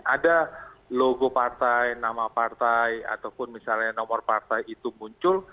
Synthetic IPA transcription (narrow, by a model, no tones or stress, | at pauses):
ʔadaloɡopart̪ajnamapart̪aja̰t̪awpʊnmisalɲanɔmɔrpart̪ajit̪umuɲt͡ʃʊl